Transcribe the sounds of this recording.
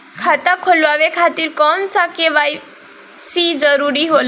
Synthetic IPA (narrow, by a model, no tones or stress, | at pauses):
kʰat̪akʰolwabekʰat̪iɾkɔnsakebaj | sid͡zʌɾuɾiɦol